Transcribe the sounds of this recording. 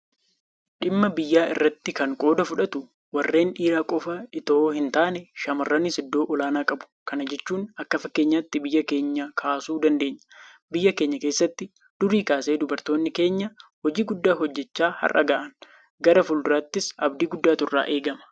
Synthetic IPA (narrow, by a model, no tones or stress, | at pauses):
ᶑɪmːɐbɪjːaːɪ̰rːɐt̪ːɪkɐŋkʼo̞ːd̪ɐfʊᶑɐt̪ʊ | wɐrːe̞ːnᶑiːɾaːkʼɔfɐɪt̪oːhɪnt̪aːnɛʃɐmɐrːɐnisɪd̪ːo̞ːʔɔlaːnaːkʼɐbʊ̥kɐnɐd͡ʒɛt͡ʃːuːnɐkːɐfɐkːeːɲːaːt̪ːɪbɪjːɐke̞ːɲːɐkʰaːsuːd̪ɐnd̪e̞ːɲːɐ̥ | bɪjːɐke̞ːɲːɐke̞ːsːɐt̪ːɪ | d̪̥ʊɾiːkaːseːd̪ʊbɐɾt̪o̞ːnːɪke̞ːɲːɐhɔd͡ʒiːɡʊd̪ːaːɦɔd͡ʒːɛt͡ʃːaːhɐ̰rʔɐ̰ɡaːʔɐn | ɡɐɾɐfʊld̪ʊɾaːt̪ːɪsɐbd̪iːɡʊd̪ːaːt̪ʊrːa̰ːʔe̞ːɡɐmɐ̥